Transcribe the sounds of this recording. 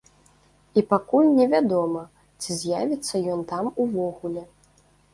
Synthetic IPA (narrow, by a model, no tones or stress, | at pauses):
ipakulʲnʲɛvʲad̪ɔmɐ | t͡sʲizʲjavʲit̪sːɐjɔnt̪amuvɔɣulʲɛ